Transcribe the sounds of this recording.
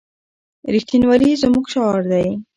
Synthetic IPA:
ɾixt̪inwɑlizəmuɡʃɑɾd̪aj

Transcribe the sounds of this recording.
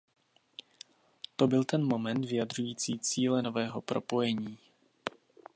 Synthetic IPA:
t̪o̞bɪlt̪ɛnmo̞mɛnt̪vɪjad̪r̝ujiːt͡siːt͡siːlɛno̞vɛːɦo̞pɾo̞po̞jɛɲiː

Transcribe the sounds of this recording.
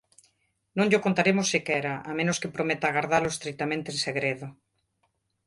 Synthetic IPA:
nõŋʎokont̪aɾemosːikɛɾaʔamẽnoskepɾomet̪aɣaɾðaloest̪ɾik̚t̪amẽnt̪eːnseɣɾeð̞o

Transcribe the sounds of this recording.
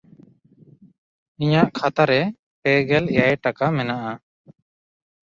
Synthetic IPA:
iɲaʔkʰat̪aɾɛ | pɛɡɛlɛjajʈakamɛnaʔa

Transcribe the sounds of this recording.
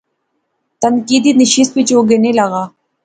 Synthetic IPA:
t̪ɐnkiːd̪inɪʃist̪̚pit͡ʃoɡenelɐɣaː

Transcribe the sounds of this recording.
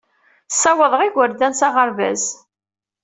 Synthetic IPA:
sːæwəðˤʁiɡəɾd̪ænsɑʁəɾvæ̰z

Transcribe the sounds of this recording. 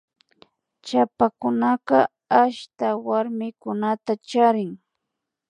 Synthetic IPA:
t͡ʃapakʊnɑqɑ | aʃt̪awaɾmɪkʊnat̪at͡ʃaɾɪŋ

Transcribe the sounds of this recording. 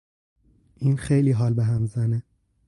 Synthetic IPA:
ʔiːnxejliːɦɒːlbeɦæmzæne

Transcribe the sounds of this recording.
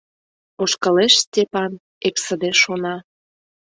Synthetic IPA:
oʃkəleʃst̪ʲepɑn | eksəd̪eʃonɑ

